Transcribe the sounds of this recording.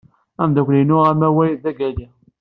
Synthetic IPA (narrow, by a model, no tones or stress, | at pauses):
æmðækʷlinʊæmæwæjiðæɡæli